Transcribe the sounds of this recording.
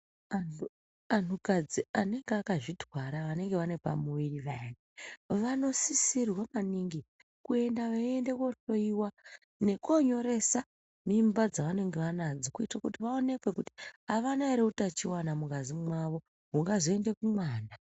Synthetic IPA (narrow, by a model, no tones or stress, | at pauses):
anu | antʰukad͡ziane̞ŋɡeakaʐidʱwaɾaʋane̞ŋɡe̞ʋane̞pa̰muʋiriʋaneʋano̞sisirwamaniŋɡi | kue̞ndaʋaende̞ko̞ɬo̞iwa | ne̞ko̞ɲo̞ɾe̞sa | mimbad͡zaʋane̞ŋɡe̞ʋanad͡zokuitwakutiʋaone̞kwe̞kuti̥aʋanaeɾeutat͡ʃiwanamukad͡zimwaʋo̞ | ɦuŋɡazoende̞kumwaːna